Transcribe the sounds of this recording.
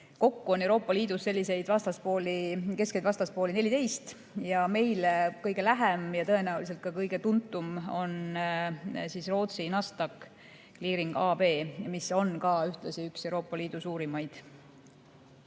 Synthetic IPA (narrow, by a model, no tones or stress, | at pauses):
ko̞kːuo̞ne̞wɾo̞ːpˑːɑliːd̪̥usːe̞lʲːise̞jd̪̥vɑst̪ɑspo̞ːlike̞ske̞jd̪vɑst̪ɑspoːline̞lʲit̪e̞jst̪ | jɑme̞jlekɤjɡ̥e̞læɦɛmjɑt̪ɤ̞enæulis̬e̞lt̪̚kɑkɤjɡe̞t̪unt̪ːˑumo̞n | siːsro̞ːt̪sinɑst̪ɑkː | liːɾiŋɡ̥ɑːb̥e̞ːmiso̞nkɑyht̪lɑsiykse̞wɾo̞ːpːˑɑliːd̪̥usuːɾimɑjd̪̥